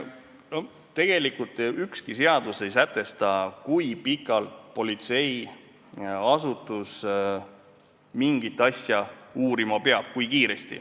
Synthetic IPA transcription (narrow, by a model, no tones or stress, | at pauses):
no | t̪e̞ɡ̥e̞likult̪ːˑykskise̞ɑd̪̥use̞jsæt̪ˑːe̞st̪ɑkujpikːˑɑlt̪po̞lit̪se̞j | ɑsut̪ːˑus | miŋɡit̪ːˑɑsjɑuːɾimɑpe̞ɑb̥kujkiːɾe̞st̪ḭ